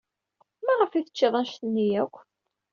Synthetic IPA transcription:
mæʁəfiθə̥t͡ʃːiðˤɑnʃt̪ənːijækʷː

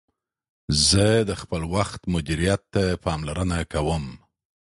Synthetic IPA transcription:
zəd̪əxpəlwaxt̪mʊd̪iɾijat̪ːapɑmlaɾənakawəm

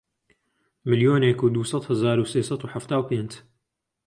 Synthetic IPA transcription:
mɨlijoːnekuːd̪uːsˤɑt̪hɨzaːɾuseːsˤɑt̪uħaft̪aːwpeːnd͡ʒ

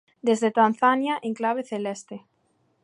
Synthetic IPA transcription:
d̪ezðet̪anθanjaʔẽŋklaβ̞eθelɛst̪e

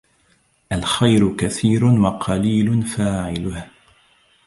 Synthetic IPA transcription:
ʔalxajɾʊkaθiːɾʊnwɑqʰɑliːlʊnfaːʕɪlʊh

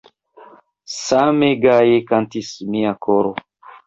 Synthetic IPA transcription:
sameɡajekantismiakʰoɾo

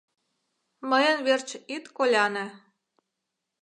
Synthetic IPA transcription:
məjənβert͡ɕit̪kolʲɑnĕ

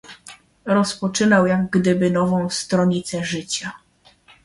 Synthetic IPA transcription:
ɾɔspɔt͡ʂɘnawjaɡɡd̪ɘbɘnɔvɔ̃w̃st̪ɾɔɲit̪sɛʐɘt͡ɕa

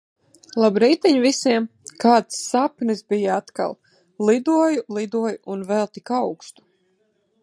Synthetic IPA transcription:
lˠabɾɛjt̪ɛɲvisiɛmkaːt̪sːapnisbijaat̪ka̰lˠ | lˠid̪uɔjulˠid̪uɔjuunvɛlˠt̪ikawkst̪u̥

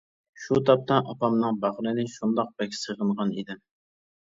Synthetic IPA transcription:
ʃut̪ʰɑp̚t̪ɑʔɑpɑmnɨŋbɑʁɾɨnɪʃund̪ɑq̚bɛkʲsəʁəɴʁɑnḭd̪ɪm

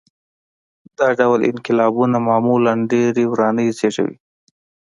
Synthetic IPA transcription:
d̪ɑɖawlɪ̰nqɪlɑbunamɑmulanɖeɾewɾɑnəjzeʈa̰wḭ

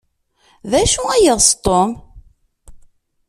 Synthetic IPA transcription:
ðæʃuæjəðˤst̪ˤːom

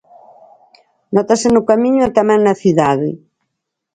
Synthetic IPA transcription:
nɔt̪asenukamiɲuet̪amɛ̃ŋnɐθuðaðɪ̰

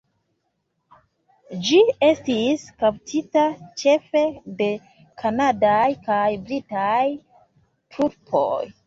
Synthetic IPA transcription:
d͡ʒie̞stiskaptʰitat͡ʃe̞fe̞de̞ | kʰanadajkajbɾitaj | tʰuɾpʰo̰j

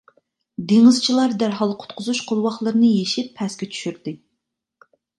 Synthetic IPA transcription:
d̪eŋɨzt͡ʃʰilˠɑɾd̪æɾɦɑlˠqʰʊ̥t̪qʰʊzuʃqʰolˠwɑχlˠəɾɨnɨjeʃipʰːɛskʲɛt͡ʃʰy̥ʃyɾd̪ɪ

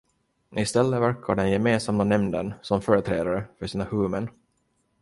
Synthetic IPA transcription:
ɪst̪ɛlːəvæɾkʰa̰ɖɛnjɛmeːnsamːanɛmd̪ə̰nsɔmfœːɾət̪ʰɾḛːd̪aɾəfœʂiːnahɵːmən

